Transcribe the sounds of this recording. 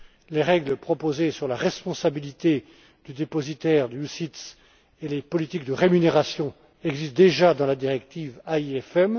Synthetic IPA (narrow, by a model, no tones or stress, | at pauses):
leʁɛɡləpχɔpozesyʁlaʁɛspɔ̃sabilit̪e | d̪yd̪epɔzit̪ɛʁd̪əjusit̪s | elepɔlit̪ik̚d̪əʁemyneʁasjɔ̃ | ɛɡzist̪̚d̪eʒad̪ɑ̃lad̪iʁɛk̚t̪ivaiɛfɛm